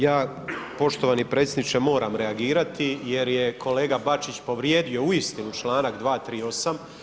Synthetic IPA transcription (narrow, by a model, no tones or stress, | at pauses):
jaː | po̞ʃt̪o̞ʋaːnipɾet̪sjed̪nit͡ʃemo̞ːɾamɾe̞aɡiːɾat̪ije̞ɾjekʰo̞le̞ːɡabat͡ʃit͡ɕpo̞ʋɾje̞ːd̪io̞uist̪inut͡ʃlˠaːnakd̪ʋaːt̪ɾiːo̞sam